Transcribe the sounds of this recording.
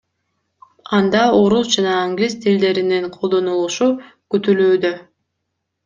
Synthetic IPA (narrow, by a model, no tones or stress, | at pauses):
ɑnd̪ɑo̞ɾusd͡ʒɑnɑːŋɡlʲist̪ʰild̪e̞ɾiniɴqʰolˠd̪o̞nulˠuʃu | kyt̪ylyːd̪ø